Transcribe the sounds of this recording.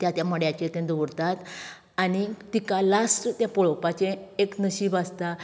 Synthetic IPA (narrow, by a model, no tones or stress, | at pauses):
t̪jat̪jaməɽjat͡ɕet̪ẽd̪oəɾt̪at̪ | aɽ̃it̪ikalasʈt̪japɔɭɔpat͡ɕẽeknəɕibast̪a